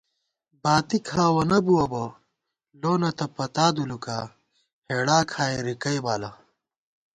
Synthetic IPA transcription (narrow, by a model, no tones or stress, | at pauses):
baːt̪ikʰaːwɐnɐbuwɐbɐ | loːnɐt̪ɐpɐt̪aːd̪ulukaː | heːɽaːkʰaːeɾikɐjbaːlɐ